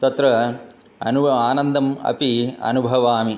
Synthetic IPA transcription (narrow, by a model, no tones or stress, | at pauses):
t̪ɐt̪ɾɐ | ɐnuaːnɐnd̪ɐmɐ̰piɐ̰nubʱɐʋaːmi